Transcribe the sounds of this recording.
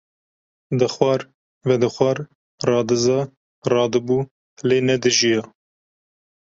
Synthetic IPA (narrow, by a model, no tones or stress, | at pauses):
d̪ɨxwɑɾ | vɛd̪ɨxʷɑːɾ | rɑːd̪ɨzɑː | rɑːd̪ɨbuː | leːnɛd̪ɨʒijɑː